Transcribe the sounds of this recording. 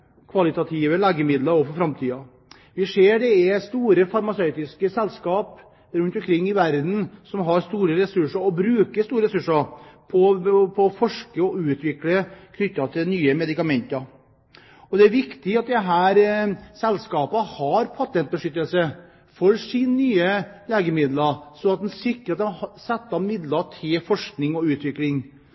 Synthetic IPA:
kʰʋɑlɪt̪ɑt̪ʰiːʋəlæːɡəmɪd̪lɑɾɔfɔɾfɾɑmt̪ʰiːɑ | ʋɪseːɖɛɛst̪uːɾəfɑɾmɑsœʏt̪ɪskəsɛlːskɑːp | ɾʉnt̪ɔmkʰɾɪŋːɪʋæɾd̪n̩sɔmɦɑɾst̪uːɾəɾɛsʉʂəɾɔbɾʉːkəst̪uːɾəɾɛsʉʂəɾpʰɔpʰɔːfɔʂkəɔʉːt̪ʋɪkləkʰnʏt̪ːɑt̪ʰɪlnyːəmɛd̪ɪkɑmɛnt̪ɑɾ | ɔd̪ɛæɾʋɪkt̪ɪɑt̪̚d̪ɛɦæːɾsɛlskɑːpəhɑɾpʰɑt̪ʰɛnt̪̚bəʂʏt̪ːəlsə | fɔɾsinnyːəleːɡəmɪd̪lɑsɔɑt̪̚d̪ɛnsɪkːɾɑt̪sɛt̪ːɑnmɪd̪lɑʈʰɪlfɔʂknɪŋɔʉːt̪ʋɪklɪŋ

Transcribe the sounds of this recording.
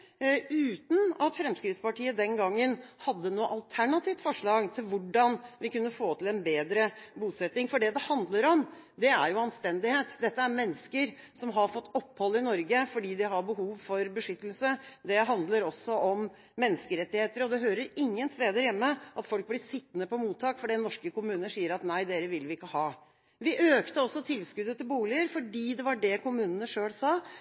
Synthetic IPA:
ʉːt̪n̩ɑt̪fɾɛmskɾɪt̪spɑʈʰiːəd̪ɛnɡɑŋːənhɑd̪ːənuːəʔɑlt̪ʰæɳɑt̪ʰiːft̪fɔʂɭɑːɡt̪ʰɪlʋʊɖɑnʋɪkʉnːəfoːt̪ʰɪlɛnbeːd̪ɾəbuːsɛt̪nɪŋfɔɖɛd̪ɛhɑnd̪ləɾɔmd̪ɛæɾjʊɑnst̪ɛnd̪ɪheːt̪d̪ɛt̪ːəæɾmɛnːəskəɾ | sɔmɦɑɾfɔt̪ːɔpːhɔlːɪnɔɾɡəfɔɖiːd̪ɪɦɑɾbəɦuːʋfɔɾbəʂʏt̪ːəlsəd̪ɛɦɑnd̪ləɾɔsːɔʔɔm | mɛnːəskəɾɛt̪ːɪheːt̪əɾəɔd̪ɛɦøːɾəɾɪŋːənst̪eːd̪əɾjɛmːəʔɑt̪fɔlk̚blɪʂɪt̪ːnəpɔmuːt̪ʰːɑːkfɔɖiːnɔʂkəkʊmʉːnəʂiːəɾɑt̪næɪd̪eːɾəʋɪlʋɪɪkːəhɑː | ʋɪʔøːkt̪əɔsːɔt̪ʰɪlskʉd̪ət̪ʰɪlbuːlɪəɾfɔɖiːd̪ɛʋɑɖɛkʰʊmʉːnənəʂøːlsɑː

